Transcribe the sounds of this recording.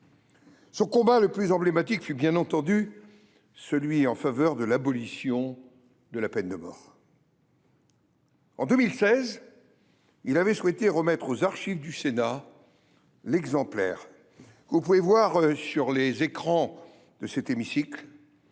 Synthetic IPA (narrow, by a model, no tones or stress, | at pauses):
sɔ̃kɔ̃baləplyzɑ̃blemat̪ikfybjɛ̃nɑ̃t̪ɑ̃d̪y | səlɥiɑ̃favœʁd̪əlabɔlisjɔ̃ | d̪əlapɛnd̪əmɔ̰ːʁ | ɑ̰̃d̪əmilsɛz | ilavɛswɛt̪eʁəmɛt̪χozaʁʃivd̪ysena | lɛɡzɑ̃plɛ̰ʁ | kəvupuvevwaʁsyʁlezekχɑ̃ | d̪̥əsɛt̪emisikl